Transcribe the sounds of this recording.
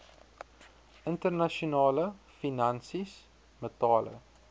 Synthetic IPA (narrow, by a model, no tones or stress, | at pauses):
ʔəntərnɐʃunɑːlə | finɐnsis | mətɑːlə̰